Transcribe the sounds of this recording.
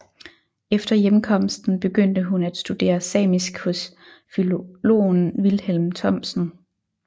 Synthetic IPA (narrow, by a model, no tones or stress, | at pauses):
efd̥ɐjemkʰɒ̽m̰sd̥n̩b̥e̝ɡ̥øn̰d̥əɦunæd̥sd̥ud̥e̝̰ːɐsɛ̰ːmisɡ̥hɔ̽s | filolo̝̰ːnʋilhelmt͡sʰɒ̽m̰sn̩